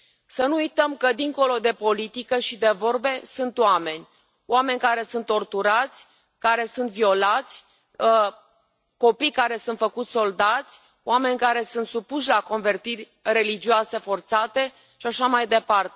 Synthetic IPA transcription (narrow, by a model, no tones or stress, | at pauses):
sənuujt̪əmkəd̪iŋko̞lo̞d̪e̞po̞lit̪ikəʃid̪e̞vo̞rbe̞sunt̪oame̞nʲ | oame̞nʲkaɾe̞sunt̪ːo̞rt̪uɾat̪sʲ | kaɾe̞sunt̪vio̞lat̪sʲ | ko̞pijkaɾe̞sunt̪fəkut̪sʲso̞ld̪at̪sʲ | owame̞nʲkaɾe̞sunt̪supuʃlako̞nve̞rt̪irʲ | re̞lid͡ʒioase̞fo̞rt̪sat̪e̞ | ʃiaʃamajd̪e̞part̪e